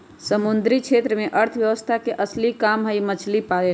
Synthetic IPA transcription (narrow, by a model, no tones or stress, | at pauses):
səmund̪ɾikt͡ʃʰet̪ɾəmeʔəɾt̪ʰʋjəʋəst̪ʰakeʔəslikamɦəimət͡ʃʰlipae